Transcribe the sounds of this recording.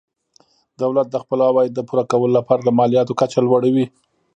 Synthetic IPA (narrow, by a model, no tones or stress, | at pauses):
d̪̥awlat̪̚d̪əxpəlawɑjed̪ːəpuɾakawəlolapɑɾaləmɑlijɑt̪okat͡ʃalwaɽawi